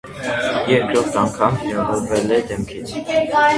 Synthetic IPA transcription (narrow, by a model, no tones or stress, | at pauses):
jɛɾkɾɔɾt̪ʰɑŋkʰɑmhɛɾɑvɔɾvɛlɛd̪ɛmkʰit͡sʰ